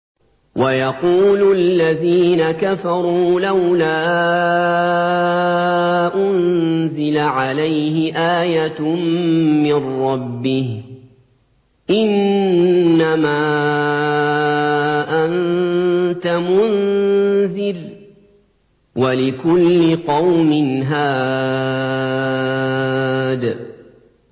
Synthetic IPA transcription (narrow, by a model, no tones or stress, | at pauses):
wajɑquːlʊallːaðiːnakafɑɾˤuːlawlaː | ʔʊnzɪlaʕalajhɪʔaːjat̪mmɪnːɑbːɪh | ʔɪnː | amaː | ʔan | t̪amʊn | zɪɾ | walɪkʊlːɪqɑwmɪnɦaː | d̪